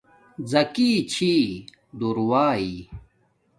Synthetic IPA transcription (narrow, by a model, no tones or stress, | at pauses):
d͡zɐkiːt͡ɕʰiː | d̪uɾwaːi